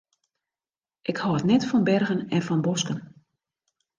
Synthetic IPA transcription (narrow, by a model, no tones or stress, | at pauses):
ʔɪkhɔətnɛtfɔnbɛrɣənɛnfɔnbɔskən